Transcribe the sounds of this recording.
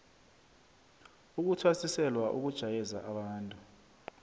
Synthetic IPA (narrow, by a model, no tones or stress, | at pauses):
uk̬utʰwasisɛlwaʔṵk̬ud̥ʒ̥ʱajɛza̰ʔaɓaːntʼu